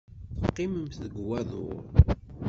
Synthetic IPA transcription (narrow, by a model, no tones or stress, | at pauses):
θəqːɪməmθəɡwæðˤʊ̰ɾ